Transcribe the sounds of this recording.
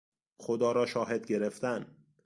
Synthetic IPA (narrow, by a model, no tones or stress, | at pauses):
xod̪ɒːɾɒːʃɒːɦe̞d̪ɟeɾeft̪æn